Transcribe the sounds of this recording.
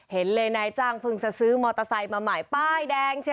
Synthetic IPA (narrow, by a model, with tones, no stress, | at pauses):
he˩˦nlɤː˧jnaː˧˩jt͡ɕaː˧˩ŋpʰɯ˧ŋsa˧sɯː˦˥mɔː˧t̪a˧sa˧jmaː˧maː˨˩jpaː˥˩jdɛː˧ŋt͡ɕʰ